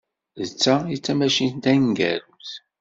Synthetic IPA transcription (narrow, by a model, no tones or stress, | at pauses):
ðət͡sːæit͡sːæmæʃind̪æŋɡæ̰ɾuθ